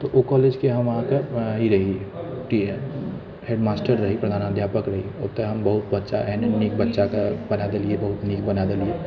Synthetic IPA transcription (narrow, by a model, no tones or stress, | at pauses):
t̪oʔokɔːleːd͡ʒkeɦɐmɐɦãkeɦiɾɐɦiʈin | heːɖmaːsʈəɾːɐɦipɾɐd̪ʱaːnəd̪ʱjaːpəkɾɐɦiot̪eɦɐmbɐɦʊt̪̚bɐtːʃa̰ʔɛnenik̚bɐtːʃakabɐnad̪eliebɐɦʊt̪nik̚bɐnad̪elie